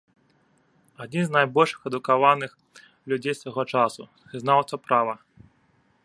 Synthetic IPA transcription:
ad͡zʲinznajbɔlʲʂɨ̥xɛd̪ukavanɨx | lʲud͡zʲejsvaɣɔt͡ʂasṵ | ɨznawt̪sɐpɾavɐ

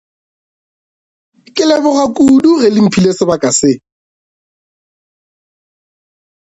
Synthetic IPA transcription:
kʼɪlɛbʊɣakʼudurɪlɪm̩pʰilesɪbakʼasɪ

